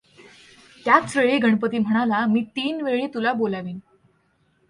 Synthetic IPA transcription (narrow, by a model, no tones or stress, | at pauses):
t̪jatsɾəɭiɡʱəɳpət̪iːm̤əɽ̃alamiːt̪iːnʋeɭiːt̪ulabolaʋiːn